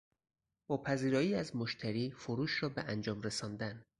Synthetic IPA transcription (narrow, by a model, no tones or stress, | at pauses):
bɒːpʰæziːɾɒːjiːæzmoʃt̪ʰæɾiːfoɾuːʃɾɒːbeʔænd͡ʒɒːmɾesɒːnd̪æn